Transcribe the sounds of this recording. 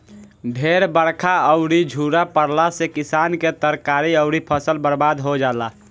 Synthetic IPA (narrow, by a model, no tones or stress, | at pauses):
ɖʱeɾbəɽkʰaəʊɾid͡ʒʱuɾapəɽlasekɪsaːnket̪əɾkaːɾiəʊɾipʰəsəlbəɾbaːd̪ɦod͡ʒaːla